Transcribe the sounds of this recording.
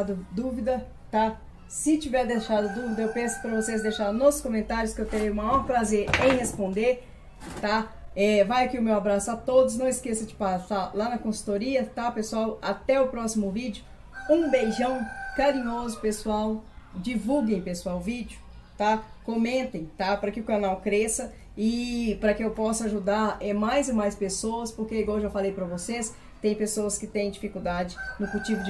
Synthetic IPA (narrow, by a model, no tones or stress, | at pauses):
d̪ʊd̪uvid̪ɐ | t̪a | sɪt͡ʃivɛɾd̪eʃad̪ɐd̪uvid̪ɐewpẽsʊ̥pɾɐvosezd̪ejʃaɾnɔsʊskõmẽnt̪aɾjʊskɪewt̪eɾejʊmajɔɾpɾazeɾẽj̃hespõnd̪eɾ | t̪aɛvajakiʊmewabɾasʊat̪od̪ʊs̬nɐ̃w̃ɪskesɐd͡ʒɪpasaɾlanɐkõsu̥t̪oɾiɐt̪apesuawat̪ɛʊpɾɔsimʊvid͡ʒjʊ | ũbejʒɐ̃w̃kaɾĩɲozʊpesuawd͡ʒivuwɡẽj̃pesuawvid͡ʒʊ | t̪akõmẽnt̪ẽj̃t̪apɾɐkɪʊkanawkɾesɐ | ɪpɾɐkɪewpɔsɐaʒud̪aɾɛmajzɪmajspesoɐspoɾkeiɡwaweʒawfalejpɾɐvoses | t̪ẽj̃pesoɐskɪt̪ẽj̃d͡ʒifikuwd̪ad͡ʒɪnʊfut͡ʃivʊd͡ʒ